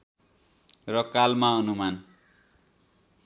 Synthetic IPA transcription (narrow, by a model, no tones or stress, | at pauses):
rʌkalmaʌnuman